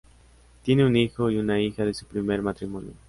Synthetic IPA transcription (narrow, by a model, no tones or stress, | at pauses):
t̪je̞neunixoiunaixaðe̞supɾime̞ɾmat̪ɾimo̞njo̰